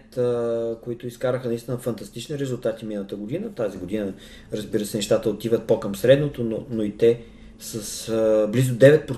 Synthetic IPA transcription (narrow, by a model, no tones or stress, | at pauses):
t̪əkoit̪ʊiskaɾəxənɐist̪inəfɐnt̪ɐst̪it͡ʃniɾɛzulˠt̪at̪iminəlˠət̪əɡod̪inət̪aziɡod̪inə | ɾəzbiɾəsɛnɛʃt̪at̪əot̪ivət̪̚pokəmsɾɛd̪not̪ononoit̪ɛ | səsblizʊd̪ɛvɛt̪̚pɾo